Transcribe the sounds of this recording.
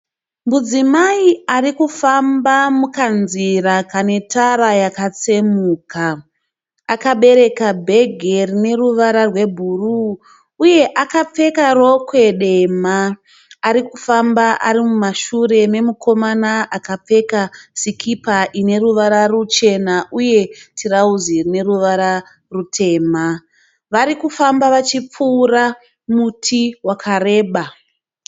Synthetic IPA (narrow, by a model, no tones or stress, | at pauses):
mud͡zimaiarikufambamukanzirakane̞tʰaɾajakat͡semuːkaː | kaɓe̞ɾe̞kabʱe̞ɡʱe̞rine̞ruʋaɾarwe̞bʱuruː | je̞ʔakap͡fe̞karokwe̞ɗe̞maː | ɾikufambaʔa̰ɾimumaʃure̞me̞mukʰo̞manaʔakap͡fe̞kasikʰipaʔine̞ruʋaɾarut͡ʃe̞naʔuje̞tʰiɾauzirine̞ruʋaɾa | rutʰe̞ːma | ʋaɾikufambaʋat͡ʃip͡fuːra | mutʰiwakʰare̞ːɓa